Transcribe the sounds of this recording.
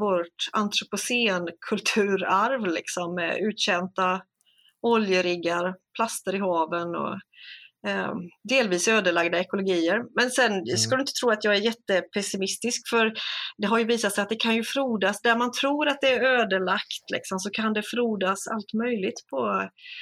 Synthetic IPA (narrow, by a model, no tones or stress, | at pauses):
voʈa̰nt̪ʰɾʊpʊseːnkʰɵlt̪ʰʉ̟ːɾaɾvlɪ̰ksɔmːɛ̰ʉ̟ːt̪ɕɛnt̪a | ɔljəɾɪɡːaɾpʰlast̪əɾɪɦɑːvənɔ̰ | d̪eːlviːsøːd̪əɭaɡd̪aɛkʊlʊɡiːəɾmɛnsɛnskad̪ɵɪnt̪ət̪ʰɾuːat̪jɑːɡæɾjɛt̪ːəpʰɛsɪmɪst̪ɪskfœɾd̪ɛɦaɾjɵviːsat̪sɛjat̪̚d̪ɛkʰanjɵfɾuːd̪asd̪æɾmant̪ʰɾuːɾat̪̚d̪ɛːɾøːd̪əɭakt̪lɪ̰ksɔmsɔkʰand̪ɛfɾuːd̪asa̰lt̪mœjlɪɡt̪pʰɔ